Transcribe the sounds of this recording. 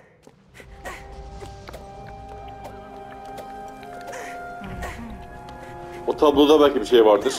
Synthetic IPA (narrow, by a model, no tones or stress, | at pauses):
ot̪ʰablˠod̪abælʲcʰibiʃejvaɾd̪ɯs